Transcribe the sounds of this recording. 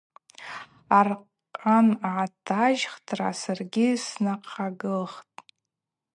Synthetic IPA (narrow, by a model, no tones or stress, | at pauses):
arqʼ | anʕatʰaʒχtʰra̰sarɡʲɪsnaqʰaɡɨlχtʼ